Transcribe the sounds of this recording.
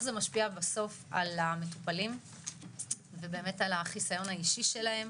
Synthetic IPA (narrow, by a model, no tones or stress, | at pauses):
zemaʃpiabaso̞falame̞tupalim | ve̞be̞ːmetalaχisajo̞naiʃiʃe̞lahe̞m